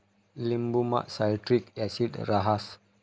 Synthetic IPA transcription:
limbuma̰ʔsaitɾik̚jasidraɦas

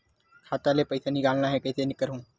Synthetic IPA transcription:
kʰaːt̪alepəɪsaniɡaːlnaɦɛkəːsenɪkəɾɦũː

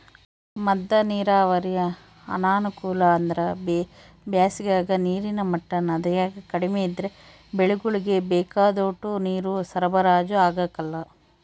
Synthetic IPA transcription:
mɐd̪ːɐniːɾaːʋɐɾijɐ | ɐ̰naːnukuːlɐːnd̪ɐɾɐb | bjaːsiɡaːɡɐniːɾinɐmɐʈːɐnɐd̪ɐjaːɡɐkɐɽimeid̪ɾe̞ | beɭuɡuɭiɡe̞bɛːkaːd̪oːʈːuniːɾusɐɾɐbɐɾaːd͡ʒuaːɡaːkɐlːɐ

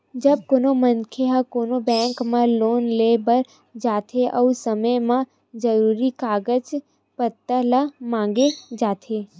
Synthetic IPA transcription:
d͡ʒɐb̚koːnomənkʰeɦakoːnobɛ̃ːŋkmãloːnleːbəɾ | d͡ʒaːt̪ʰeʔɔusəməjmã | d͡ʒɐɾuːɾikaːɡəd͡ʒ | pət̪ːəlamãːŋ̆ɡed͡ʒaːt̪ʰeː

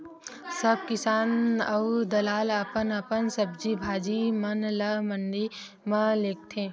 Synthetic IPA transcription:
sɐb̚kɪsaːnɐwd̪ɐlaːləpənəpənsɐbd͡ʒibʱaːd͡ʒimɐnləməɳɖi | mə̃leːk̚t̪ʰẽː

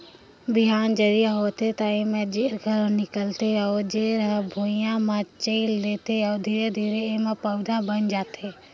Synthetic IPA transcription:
bɪɦaːnd͡ʒəd̪ijaɦoːt̪et̪aẽːmẽd͡ʒeːɾɡʱəɾnɪkəlt̪eɔːd͡ʒeːɾəɦbʱoːijãmãt͡ʃəilleːt̪eɔːd̪ʱiːɾed̪ʱiːɾeẽːmẽpəʊd̪ʱãbənd͡ʒaːt̪ʰeː

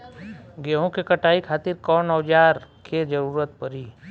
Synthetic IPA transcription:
ɡeːɦõkekɐʈaːikʰaːt̪ɪɾkɔːnɔːd͡ʒaːɾked͡ʒəɾuːɾət̪̚pəɾiː

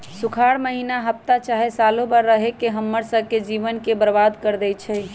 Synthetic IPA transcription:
sukʰaɽməɦinaɦəp̚t̪at͡ʃaɦesalobəɾːəɦekeɦəmːəɾsəbked͡ʒiʋənkebəɾbad̪kəɾd̪ɛjt͡ʃʰɛ

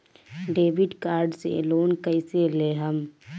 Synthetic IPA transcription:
ɖeːbɪɖkaːɾɖsḛloːnkəɪseleːɦəm

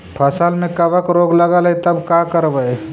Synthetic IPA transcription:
pʰəsəlmẽkəbəkɾoɡləɡəlit̪əbkakəɾbə

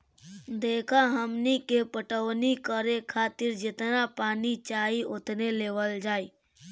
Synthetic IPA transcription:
d̪eːkʰaɦəmnikepəʈəʋnikəɾekʰaːt̪ɪɾd͡ʒɪt̪napaːnit͡ʃaːiʊt̪neleːʋəld͡ʒaːi

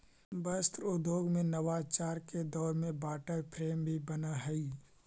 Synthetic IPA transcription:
bəst̪ɾʊd̪ʱjoːɡmẽnɐʋaːt͡ʃaːɾked̪ɔːɾmẽbaːʈəpʰɾeːmbʱibɐnaɦɛi

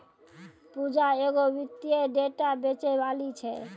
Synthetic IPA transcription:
pud͡ʒaeɡobit̪ːieɖeʈabet͡ʃebalit͡ʃʰɛ

